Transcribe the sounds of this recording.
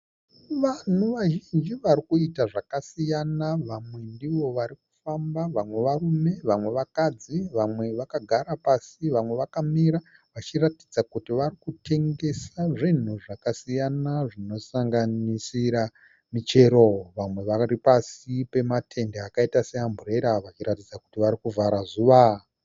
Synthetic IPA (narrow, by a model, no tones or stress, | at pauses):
ʋan̤uʋaʒind͡ʒiʋaɾikuitaʐakasijanaʋamwe̞ndiʋo̞ʋaɾiku̥fambaʋamwe̞ʋarume̞ʋamwe̞ʋakad͡ziʋamwe̞ʋakaɡʱaɾapasiʋamwe̞ʋakamiɾa | ʋat͡ʃiratid͡zakutiʋarikutʰe̞ŋɡe̞saʐin̤uʐakasijanaʐino̞saŋɡanisiɾa | mit͡ʃe̞ɾo̞ʋamwe̞ʋaripasipe̞matʰe̞ndeakaitase̞ɦambʱure̞ɾaʋat͡ʃiɾatid͡zakutiʋaɾikuvʱaɾazuːʋa